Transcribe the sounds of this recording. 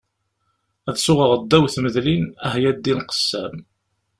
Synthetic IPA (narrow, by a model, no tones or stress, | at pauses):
æðsʊʁəʁəd̪ːæwθməðlinæɦjæd̪ːinqə̥sːæm